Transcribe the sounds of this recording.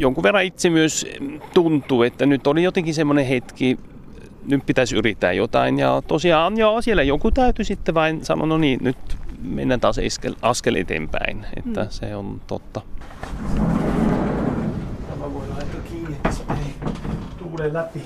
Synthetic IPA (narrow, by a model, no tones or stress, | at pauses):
joŋkuʋerːɑit̪semyøst̪unt̪uːet̪ːænyt̪ːolijot̪eŋkisemːonehet̪ki | nyppit̪æsyrit̪ːæ̰ːjot̪ɑinjɑt̪osiɑːnjɑsielæjokut̪æyt̪ysit̪ːeʋɑinsɑ̰no̰noniːnyt̪mḛnːæt̪ɑsḛskḛlʔɑskelḛt̪ḛmpæ̰inḛt̪ːæsḛont̪o̰t̪ːɑ | se | t̪æmæʋoilɑnt̪ɑkiːniet̪ːsemenit̪uːlelæpi